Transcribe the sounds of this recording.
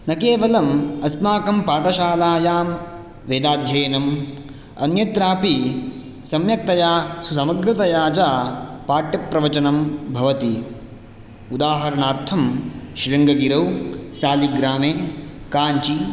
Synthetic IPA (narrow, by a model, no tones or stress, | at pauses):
nɐkeːʋɐlɐmɐsmaːkɐmpaːʈɐʃaːlaːjaːm | ʋeːd̪aːd̪ʱjɐːnɐm | ɐ̰njɐt̪ɾaːpi | sɐmjɐk̚t̪ɐjaːsus̬ɐmɐɡɾɐt̪ɐjaːt͡ʃaːpaːʈjɐpɾɐʋɐt͡ʃɐnɐmbʱɐʋɐt̪i | ud̪aːɦɐɾɐɳaːɾt̪ʰɐmʃɾɐŋɡɐɡiɾɐwʃaːliɡɾaːmeːkaːɲt͡ʃi